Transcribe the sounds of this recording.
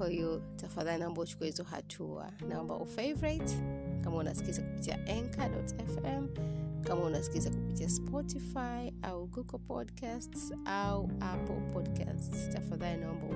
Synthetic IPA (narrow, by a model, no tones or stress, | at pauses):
ahiɔtafaðalinambɔut͡ʃu̥kuahizɔɦa̰tʰua̰naɔmba̰ʔufejvɔɾatkamauna̰si̥kizaku̥pi̥tia̰ʔɛŋkʰadɔ̰tɛfɛmkamaunasi̥kizakupitiaspʰɔtifajʔauɡuɡɔlpʰɔ̰dkʰastsauʔapɔ̰lpʰɔdka̰ststafaðalinaɔmbɔ̰